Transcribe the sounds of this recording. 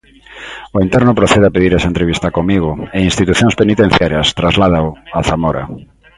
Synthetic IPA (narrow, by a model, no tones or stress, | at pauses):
oint̪ɛɾnʊpɾoθeðeapeðiɾɛsaent̪ɾeβist̪ɐkomiɣʊeinst̪it̪uθjõŋspenit̪ẽn̟θjaɾjɐst̪ɾazlaðaoaθamoɾa̰